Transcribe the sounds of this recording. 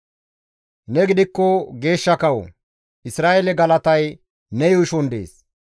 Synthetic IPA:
nɛɡɪd̪ɪkːɔɡe̞ːʃːɐkɐw | ɪsɾaːʔelɛɡɐlɐt̪ɐj | nɛjɔɪʃɔnd̪ḛːs

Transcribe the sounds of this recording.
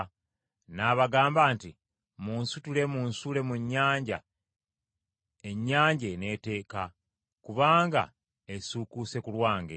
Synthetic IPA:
naːβaɡaːmbaːnti | munsutule̞munsule̞muɲːaːɲɟa̰ | eɲːaːɲɟe̞ne̞ːte̞ːka | kuβaːŋɡa̰ | esukuse̞kulwaːŋɡḛ

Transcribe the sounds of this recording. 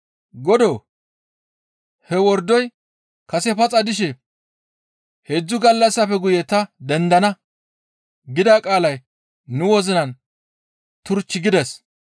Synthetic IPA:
ɡɔd̪oː | hɛwɔɾd̪ɔj | kɐsɛpɐt͡sʼɐd̪ɪʃɛ | hed͡zːʊɡɐlːɐsːɐfɛɡʊjɛt̪ɐd̪ɛnd̪ɐnɐ | ɡɪd̪akʼaːlɐj | nʊwɔzɪnɐn | t̪ʊɾt͡ʃːɪɡɪd̪ɛs

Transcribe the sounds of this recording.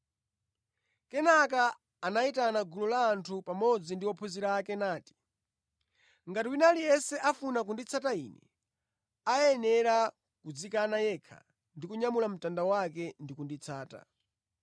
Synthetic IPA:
kɛnakaː | naitanaɡulɔlaːntʰupamɔd͡zindiwɔpʰuziɾakɛnaːti̥ | ŋɡatiwinalijɛsɛʔafunak̬undit͡sʰatainɛ̰ | ajɛnɛɾa | kud͡zikanajɛkʰa̰ | ndikuɲamulam̩tandawakɛndikundit͡sʰaːta̰

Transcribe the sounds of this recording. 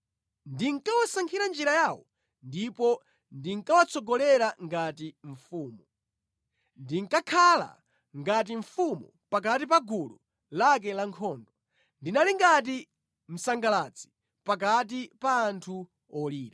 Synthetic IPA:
ndiŋkawasaŋkʰiɾand͡ʒiɾajaːwɔ | ndipɔ | ndiŋkawat͡sʰɔɡɔlɛɾaŋɡatiɱ̩fuːmu | ndiŋ̩kakʰala̰ | ŋɡat̬iɱfumu | pak̬at̬ipaɡulɔ | lak̬ɛlaŋkʰɔːndɔ | ndinaliŋɡat̬i | m̩saŋɡalat͡si̥ | pak̬at̬ipaːntʰu | ɔliːɾa

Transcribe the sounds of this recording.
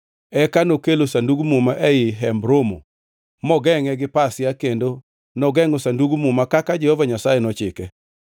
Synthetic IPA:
ɛkanokelosanduɡumumaʔɛjɪɦɛmbɾomo̰ | mɔɡɛŋɛɡɪpasjakendo | nɔɡɛŋosanduɡumumakakad͡ʒɛhovaɲasajenɔt͡ʃɪkɛ

